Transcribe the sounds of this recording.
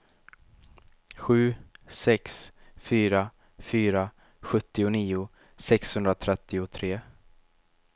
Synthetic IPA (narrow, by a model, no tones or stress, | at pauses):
ɧʉ̟ːsɛksfyːɾa | fyːɾa | ɧɵt̪ːɪʊniːʊ | sɛkshɵnd̪ɾat̪ʰɾɛt̪ːɪʊt̪ʰɾeː